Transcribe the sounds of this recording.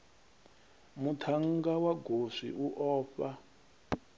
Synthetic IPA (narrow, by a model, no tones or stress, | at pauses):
mutʰaŋɡawaɡʱoʂḭʔuʔɔːɸa